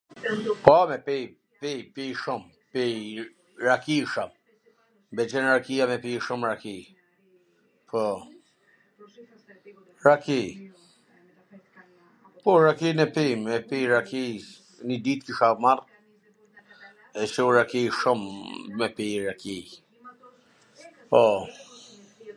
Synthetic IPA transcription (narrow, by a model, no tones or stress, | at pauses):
pɔmɛpi | pipiʃʊm | pi | ɾakiʃam | bɛt͡ʃɛnɾakijamɛpiʃumɾaki | pʰɔ | ɾaki | pɔɾakinɛpimɛpiɾakʰi | nid̪it̪kiʃamar | ɛsɛuɾakiʃumːɛpiɾaki | pɔ